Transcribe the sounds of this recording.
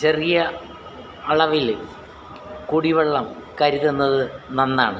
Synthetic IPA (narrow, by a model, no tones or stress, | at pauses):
t͡ɕerijɐ | ɐɭɐʋil | kuɽiʋɐɭːɐmkɐɾuðunːɐðɨnɐnːaːɳɨ